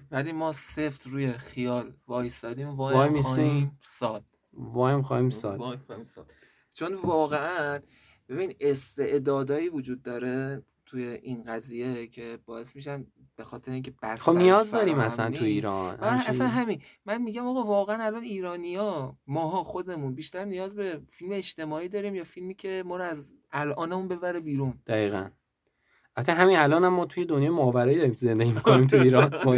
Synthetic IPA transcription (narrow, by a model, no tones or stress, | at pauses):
vædimɒːse̞ft̪ʰruːje̞xijɒːlvɒːjsɒːd̪iːmvɒːjmixsimsɒːd̪̥ | vɒːjmxɒːhiːmsɒ̰d̪imsd̪̥ | t͡ʃʰo̞nvɒːɣeʔæn | b̥e̞binid̪ʔe̞st̪e̞ʔd̪ɒːd̪ɒːjiːvod͡ʒuːd̪̚ːɒːɾe̞ | t̪ʰuje̞ʔinɢæziːje̞cʰe̞bɒːe̞smiʃ̬æn | b̥e̞xɒːt̪ʰe̞ɾeiŋcʰeb̥æsxobnijɒːzd̪ɒːɾiːmæsænt̪ʰuiːɾɒ̰nʔæsænɦæminmænmiːɟæmɒːɣɒːvɒːɣeænælɒːniːɾɒːnijɒmɒːɦɒːxo̞d̪e̞munbiːʃt̪æɾnijɒːzbe̞filmeːʃt̪e̞mɒːiːd̪ɒːɾiːmjɒːfilmiːcʰe̞mɒːɾoæz | ælʔɒːnemunbe̞bæɾebiːɾund̪̥æɣiːɣæ̰n | ʔæt̪ʰːæɦæminælɒːnæmːɒːt̪ʰujed̪o̞njɒːjemoːvæɾɒːjiːd̪ɒːɾiːmt̪ze̞nd̪eɟiːmikʰoniːmt̪ʰuiːɾɒnmɒ